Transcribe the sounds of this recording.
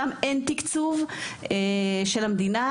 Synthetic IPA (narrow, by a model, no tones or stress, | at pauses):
ament̪ikt͡sumeʃelhamd̪ina